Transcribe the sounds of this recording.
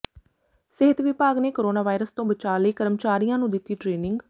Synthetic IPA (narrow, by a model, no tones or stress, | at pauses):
sɪɦət̪ʋɪpaːɡneːkoːɾoːnaːʋaːɪɾəst̪õːbət͡ʃaːləiːkəɾmt͡ʃaːɾijãːnũːd̪ɪt̪ːiːʈɾeːnɪ̃ŋɡ